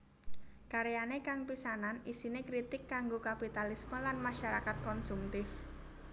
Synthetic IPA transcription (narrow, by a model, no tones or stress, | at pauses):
kaɾejanekaŋpisananisinekɾit̪ɪkːaŋɡokapit̪alisməlanmaʃaɾakat̪̚kɔnsumt̪ɪf